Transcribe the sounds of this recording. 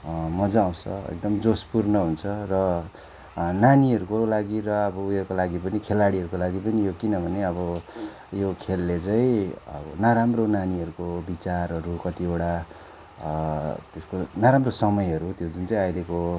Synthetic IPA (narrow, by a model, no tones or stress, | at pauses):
mʌd͡zʌːw̃t͡sʰʌ̰ḛk̚d̪ʌmd͡zospurnʌɦunt͡sʰʌrʌ | naniɦʌɾukolaɡirʌʌbʌujʌrkolaɡipʌnikʰelaɽiɦʌɾukolaɡipʌnijokinʌbʱʌneʌbʌ | jokʰelːet͡sʌĩʌ̰bʌnaɾamronaniɦʌɾukobit͡sarːʌrukʌt̪ioɽa | t̪eskonaɾamrosʌmʌjɦʌɾut̪jod͡zunt͡sʌĩajɾeko